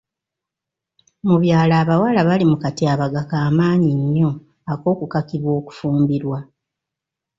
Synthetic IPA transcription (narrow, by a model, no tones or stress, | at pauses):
muβjaːlaːβawalaβalimukatiaβaɡakaːmaːɲiɲːo̞ | ako̞ːkukakiβwo̞ːku̥fuːmbiɾwa